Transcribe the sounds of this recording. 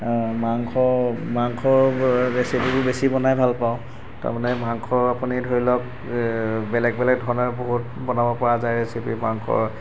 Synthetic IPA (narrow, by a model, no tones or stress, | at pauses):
maŋkʰɔmaŋkʰɔɹesipibʊbesibɔnajbʱalpaʊ̃ | ta̰ɹmanɛmaŋkʰɔapunidʱoɹilɔk | bɛlɛk̚bɛlɛk̚dʱɔɹnɔɹboɦut̚ | bɔnabɔpɔɹazajɹesipimaŋkʰɔ̰ɹ